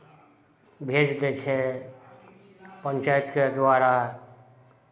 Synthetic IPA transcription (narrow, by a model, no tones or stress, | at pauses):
bʱed͡ʒd̪et͡ʃʰe | pənt͡ʃajət̪ked̪ʋaːɾa